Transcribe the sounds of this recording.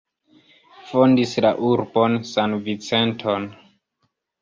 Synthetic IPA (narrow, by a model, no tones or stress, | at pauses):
fo̞ndislaʔuɾbo̞nsanvit͡se̞ntʰo̞n